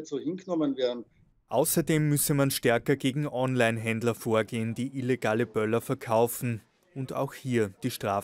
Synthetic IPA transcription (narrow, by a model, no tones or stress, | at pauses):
tsoːhɪnɡənɔmənveːɐn̩ | ʔaʊsɐdeːmːʏsəmanʃtɛɐkɐɡeːɡŋ̩ʔɔnlaɪnɦɛndlɐfoːɐɡeːəndiːʔileɡaːləbœlɐfɛɐkʰaʊfn̩ | ʊnda̰ʊxhiːɐd̥iːʃtʁ̥aː